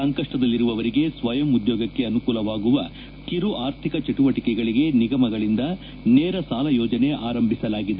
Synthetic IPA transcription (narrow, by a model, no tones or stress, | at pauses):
sɐŋkɐʂʈɐd̪ɐlːiɾuʋɐʋɐɾiɡe̞sʋɐjɐmud̪joːɡɐkːe̞ɐnukuːlɐʋaːɡuʋɐ | kiɾuʔaːɾt̪ʰikɐt͡ʃeʈuʋɐʈikɛɡɐɭiɡe̞niɡɐmɐɡɐɭind̪ɐ | nɛːɾɐsaːlɐjɔːd͡ʒɐne̞ʔaːɾɐmbʱisɐlaːɡid̪e